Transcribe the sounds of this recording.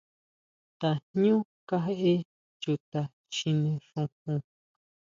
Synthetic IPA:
t̪a˨nɲũ˦ | ka˧ɦe˦ʔe˦ | t͡ʃu˧t̪a˨ | t͡ʃi˧nĩ˧ʂũ˧hũ˧

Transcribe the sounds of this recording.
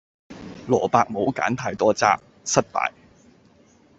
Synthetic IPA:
lɔː˨˩paː˧k̚mo˨˧wka̰ː˨˥nt̪ʰaː˧jt̪ɔː˥t͡sa̰ː˥k̚ | sɐ˥t̚pa̰ː˧˨j

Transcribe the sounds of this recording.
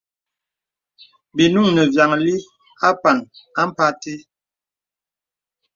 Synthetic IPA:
bi˨nu˦˨ŋnə˨vja˨ŋli˦ | a˦pa˨na˦m̩˦pa˦te˦

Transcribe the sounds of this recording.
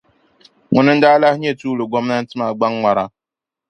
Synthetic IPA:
ŋʊ˨nɨ˦n̩˦daː˦la˦hɲe˦˨tuː˦lɨ˨ɡɔ˦mna˦n̩˦tɨ˦ma˨ɡ͡ba˦ŋːʷa˨ɾa˦

